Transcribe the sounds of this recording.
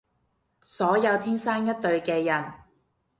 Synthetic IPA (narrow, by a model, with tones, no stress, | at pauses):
sɔː˨˥jɐ˨˧wt̪ʰiː˥ŋsaː˥ŋjɐ˥t̚t̪ɵ˧ɥkɛː˧jɐ˨˩n